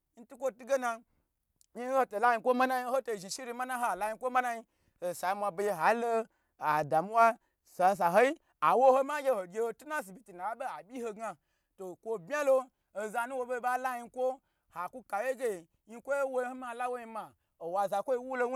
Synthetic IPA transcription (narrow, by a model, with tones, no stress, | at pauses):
n̩˦tu˦kʷo˦tu˦ɡe˦na˧ | ɲi˦ho˦to˨la˦ji˧˦kʷo˦ma˦na˦i˦ho˦to˨ʒi˨ʃi˦ɾi˧˦ma˦na˦ɦo˨a˨la˦ji˧˦kʷo˦ma˦na˦ji˦ | ho˨sa˨˦mʷa˧˨bo˨i˧ɦa˨˦lo˦ | a˨da˨mu˦wa˦ | sa˨s̬a˨ɦo˦i˦ | a˨wo˦ho˦ma˦ɡʲe˦ho˨ɡʲe˦ho˧tu˦na˦s̬i˨bʲi˦ti˨na˨a˦be˦a˨bʲi˦ho˧ɡa˧ | to˨kʷo˧bmʲa˦loː˦˨ | za˧nu˦wo˧be˦˨˦ba˦la˦ji˧˦kʷo˦ | ha˨ku˦ka˨je˦ɡʲe˦˨ | ɲi˦˧˦kʷo˦je˦wo˦ho˦ma˨la˦wo˦i˧ma˨ | o˨wa˨za˨kʷo˦i˧wu˦lo˦